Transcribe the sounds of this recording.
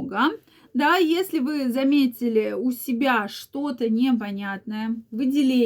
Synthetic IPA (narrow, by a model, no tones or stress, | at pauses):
ɡə | d̪ajesʲlʲɪvɨzɐmʲetʲɪlʲɪʊsʲɪbʲaʂt̪o̞t̪ənʲɪpɐnʲat̪nəjəvɨdʲɪlʲe